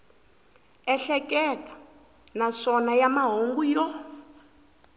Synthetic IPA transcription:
ɛɬɛkɛtʰʼḁ | naʂɔnajamaɦoŋɡujɔ

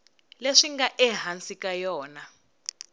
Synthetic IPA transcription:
leʂiŋɡaʔɛɦant͡sikʼajɔːna

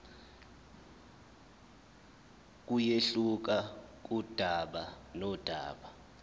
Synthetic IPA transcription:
k̬ʼujeɬuk̬ak̬ʼud̥ʱaɓa | nɔd̥ʱa̰ːɓa

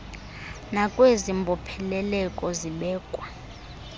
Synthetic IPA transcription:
nakʼwezimbʱɔpʰɛlɛlɛkʼɔziɓɛːkʼwa

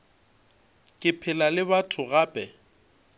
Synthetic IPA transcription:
kʼɪpʰɪlalɪβatʰʊɣaːpʼɛ

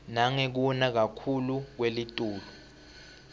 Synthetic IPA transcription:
naŋek̬unak̬akʰuluk̬welitʼuːlu

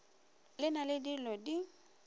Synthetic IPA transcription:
lɪnalɪdilɔdi

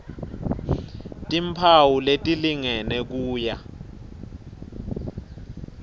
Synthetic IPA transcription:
tʼimpʰawuletʼiliŋɛnɛk̬uːja

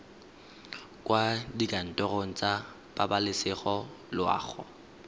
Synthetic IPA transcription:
kʼwadikʼan̩tʼɔron̩t͡sʼa | b̥abalɪsɪχɔlʊa̰ːɣʊ̰

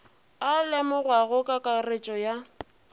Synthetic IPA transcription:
alɛmʊrwaɣʊkʼakʼaret͡ʃʼɔja

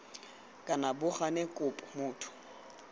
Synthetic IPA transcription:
kʼanabʊχanekʼʊpʼɔmʊːtʰʊ̥

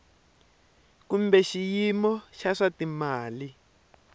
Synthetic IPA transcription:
kumbɛʃijimɔʃaʂatimaːli

